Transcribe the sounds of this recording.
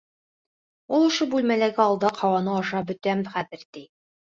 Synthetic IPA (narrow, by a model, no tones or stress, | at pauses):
ulˠŏʃɤbʉlmælæɡɘɒlˠd̪ɑqʰɒwɑnɤɒʃɑbɵ̆t̪æmχæðɘ̆ɾt̪i